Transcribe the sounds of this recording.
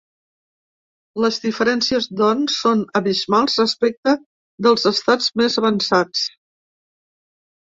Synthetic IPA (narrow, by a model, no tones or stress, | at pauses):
ləzdifəɾɛnsiəzd̪ɔnsːonəβizmalˠzrəspɛk̚t̪ə | d̪əlˠzəst̪ad͡zmezəβənsat͡s